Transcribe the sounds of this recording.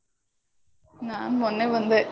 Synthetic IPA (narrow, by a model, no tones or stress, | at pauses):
naːnmɔnːeʋɐnd̪ɯ